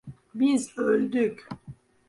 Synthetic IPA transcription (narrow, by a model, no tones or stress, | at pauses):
bizøld̪yk